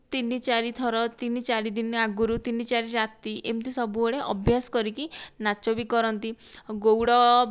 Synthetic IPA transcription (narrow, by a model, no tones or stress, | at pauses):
t̪init͡ʃaɾit̪ʰɔɾɔt̪init͡ʃaɾid̪inaɡuɾut̪init͡ʃaɾiɾat̪iʔemt̪ʰisɔbuɔɽeʔɔbʱjasɔ̥kɔɾikinat͡ʃɔbikɔɾɔnt̪iɡowɽɔ